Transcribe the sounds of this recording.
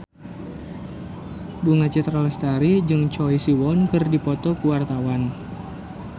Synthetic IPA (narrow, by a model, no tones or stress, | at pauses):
buŋat͡ʃɛt̪ɾalɛst̪aɾid͡ʒɨŋt͡ʃɔjsiwɔnkɨrdipɔt̪ɔkuwart̪awan